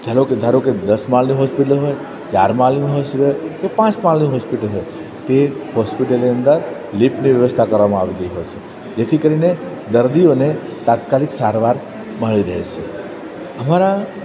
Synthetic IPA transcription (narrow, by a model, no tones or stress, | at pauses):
d͡ʒ̪ʱaɾoked̪ʱaɾoked̪əsmalniɦɔspiʈəlɦoj | t͡ʃaɾmalniɦoseɾojkepãt͡ʃmalniɦɔspiʈəlɦoj | t̪ehɔspiʈəlniənd̪əɾ | lipniʋjəʋəst̪ʰakəɾʋamãaʋit̪iɦojt͡ʃʰe | d͡ʒet̪ʰikəɾine | d̪əɾd̪ionet̪at̪kaliksaɾʋaɾ | məɭiɾəɦḛt͡ʃʰe | əmaɾa